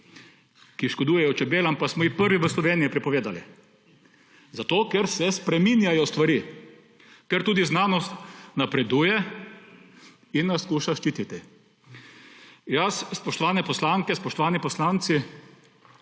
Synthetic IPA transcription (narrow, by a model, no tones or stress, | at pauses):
kiʃkod̪uːjɛjɔt͡ʃɛbeːlampasmɔixpəɾʋiʋəslɔʋeːnijipɾipɔʋeːd̪ali | zat̪oːkɛɾsɛspɾɛmiːnjajɔst̪ʋaɾi | kɛɾt̪uːd̪iznaːnɔst̪napɾɛd̪uːjɛ | inːaskuːʃaʃt͡ʃiːt̪it̪i | jasːpɔʃt̪ɔʋaːnɛpɔslaːŋkɛspɔʃt̪ɔʋaːnipɔslaːnt̪si